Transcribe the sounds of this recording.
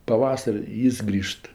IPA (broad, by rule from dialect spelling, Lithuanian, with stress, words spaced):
pɐˈʋɑːsɐrʲ ɪ ˈjɪs ˈɡrʲiːʃt